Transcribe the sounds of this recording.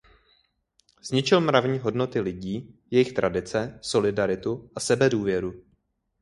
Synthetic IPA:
z̥ɲɪt͡ʃɪlmɾavɲiːɦo̞dno̞t̪ɪlɪɟiːjɛjɪxt̪ɾadɪt͡sɛso̞lɪdaɾɪt̪uʔasɛbɛduːvjɛɾu

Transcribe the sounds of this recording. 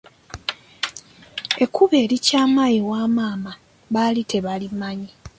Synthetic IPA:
e̞kʰːuβe̞ːlicaːmajiwaːmaːma | βalitʰe̞βalimaɲi

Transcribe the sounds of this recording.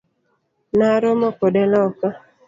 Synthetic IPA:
naɾomɔkɔdɛlaɔka

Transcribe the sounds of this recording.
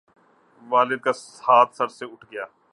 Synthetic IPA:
ʋaːlɪd̪̚kas | haːt̪sɐɾseʊʈʰɡɪjaː

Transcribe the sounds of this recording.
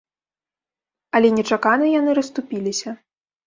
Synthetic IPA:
ɐlʲɛnʲɛt͡ʂakanɨjanɨɾɐst̪upʲilʲisʲɐ

